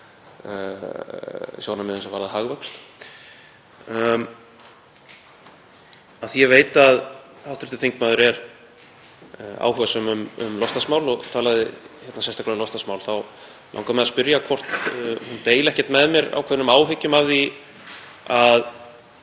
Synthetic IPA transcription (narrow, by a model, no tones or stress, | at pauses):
sjoːwnamɪðʏnsɛvaːɾðaɦaɣvœkst̪ | aθijɛveːjt̪að | θawht̪ɾɪ̥ht̪ʏ̥θeŋkmaːðʏɾɛɾ | a̰wɦœɣasœmʏmʏ̰mlɔst̪asmaːwlɔɣt̪ʰaːlaðɪçɛt̪nasɛst̪aklalɔst̪asmawlθaw | la̰wŋkamɛðaðspʏɾjakʰvɔr̥t̪hunt̪eːjlɛhcɛ̥t̪mɛðmjɛɾa̰wkʰɛɾnʏmaːwɦʏcːʏmavði | að